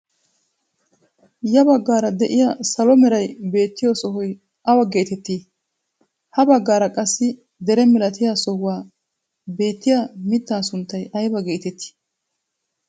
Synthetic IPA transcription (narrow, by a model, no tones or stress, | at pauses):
jɐbɐɡːaːɾɐd̪ɛʔɪjasɐlɔmɛɾɐjbe̞ːt̪ːɪjɔsɔɦɔj | ʔɐwɐɡe̞ːt̪ɛt̪ːiː | hɐbɐɡːaːɾɐkʼɐsːɪ | d̪ɛɾɛmɪlɐt̪ʰɪjasɔhʊwaː | be̞ːt̪ːɪjamɪt̪ːaːsʊnt̪ːɐjʔɐjbɐɡe̞ːt̪ɛt̪ːi̥ː